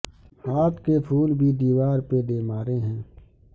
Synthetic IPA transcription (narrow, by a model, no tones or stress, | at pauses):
aːpkepʰuːlbʱid̪iːʋaːɾped̪eːmaːɾeɦɛ̃ː